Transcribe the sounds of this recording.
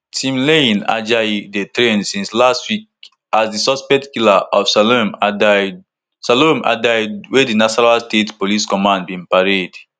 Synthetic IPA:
tʰĩmlẽna̰d͡ʒadetɹẽnsĩnslastwik̚ | asdisɔspɛtkilaʔɔfsalmd | saloma̰daɪd̚wedinaʃɔnalstetpoliskɔmãndbĩmpaɹed

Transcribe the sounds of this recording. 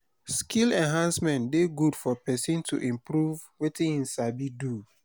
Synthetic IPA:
skʰilɛ̃nɦãnsmɛ̃ntdeɡudfɔpɛsĩntʰṵʔĩmpɾuv | wetĩĩnsabidu

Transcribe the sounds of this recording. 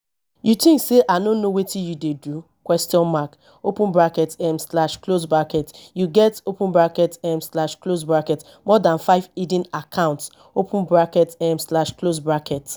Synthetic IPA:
jutĩŋkseʔanonowetijudedu | kwɛstiɔ̃nmak | opũnbɹakɛtɛmslaʃklos̬bɹakɛtjuɡɛtopũnbɹakɛtɛ̃mslaʃklosbɹakɛt | mɔdãnfaɪvidĩnakʰãʊ̃nts | opũnbɹakɛtɛmslaʃklosbɹakɛt

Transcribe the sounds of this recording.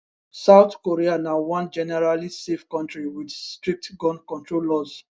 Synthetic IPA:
saʊtkoɹianawɔ̃nd͡ʒɛnɛɹalisefkɔ̃ntɹiwidstɹik̚tɡɔ̃nkɔ̃ntɹolɔz

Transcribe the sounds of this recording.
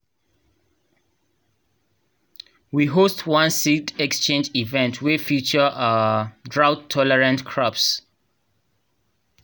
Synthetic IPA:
wiɦostʰwãnsitɛkst͡ʃẽnd͡ʒivɛ̃ntʰwɛfut͡ʃəʔadɹawtʰːɔlɛɹãntkʰɹɔps

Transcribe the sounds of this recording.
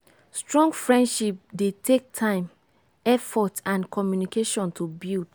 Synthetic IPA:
stɹɔ̃ŋɡfɹɛ̃ndʃip̚detʰek̚tʰãɪ̃m | ɛfɔtãnkɔmjunikeʃɔ̃ntʰubild

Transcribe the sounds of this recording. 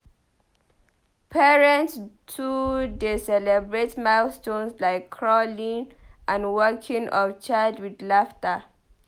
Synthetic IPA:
pʰɛɹɛ̃ntstʰudesɛlɛbɹetmastõnslaɪkʰːɹɔlĩŋ | ʔãnwɜkʰĩŋʔɔvt͡ʃadwidlaftə

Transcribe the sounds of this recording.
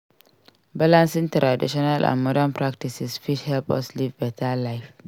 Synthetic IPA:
balãnsĩŋtɾadḭʃɔnalʔã̰nmɔdanpɹak̚tisisfithɛlpɔ̰slivbɛtʰalaɪf

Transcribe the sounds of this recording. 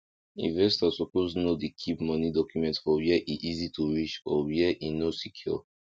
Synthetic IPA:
ḭ̃nvɛstasɔpoznodekʰipmɔnidɔkjumɛ̃ntfɔwjɛʔiʔizitʰuɹit͡ʃɔwiɛʔinosikʰju

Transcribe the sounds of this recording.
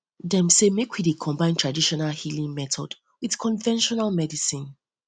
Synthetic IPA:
dɛ̃msemekwidekʰɔ̃mbãɪ̃ntʰɹadiʃɔnalhilĩŋmɛtɔ̰d | wið̥kʰɔ̃nvɛ̃nʃɔnalmɛdisĩn

